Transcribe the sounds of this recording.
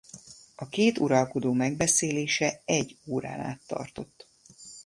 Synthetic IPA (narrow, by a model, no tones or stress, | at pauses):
ɒkeːt̪uɾɒlko̞d̪oːmɛɡ̚bɛseːleːʃɛɛɟːoːɾa̰ːna̰ːt̪ːɒ̰rt̪o̞t̪ː